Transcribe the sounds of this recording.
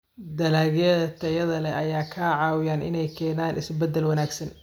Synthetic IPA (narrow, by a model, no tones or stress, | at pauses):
d̪ɐlaːɣjɐðɐt̪ʰɐjɐðɐlɛʔɐjaːkʰaːʕɑːwɪjaːnʔɪ̰nɛjkʰɛːnaːnɪsbɛd̪ːɛlwɐnaːɡsɐn